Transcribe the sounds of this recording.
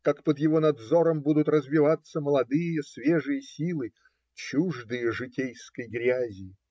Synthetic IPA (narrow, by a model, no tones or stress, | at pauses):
kakpəd̪jɪvonɐd̪zo̞ɾəmbud̪ʊt̪rəzvʲɪvat̪sːəməlˠɐd̪ɨjəsvʲeʐɨjəsʲilˠɨ | t͡ɕuʐd̪ɨjəʐɨtʲejskəjɡɾʲæzʲɪ